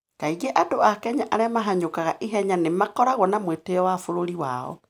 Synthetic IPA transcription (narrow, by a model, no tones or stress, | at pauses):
kaiɣeʔadoakɛɲaʔaɾeamaɦaɲokaɣaʔiɦɛɲanemakɔɾaɣɔnamweteɔwafoɾoɾiwa̰ɔ̰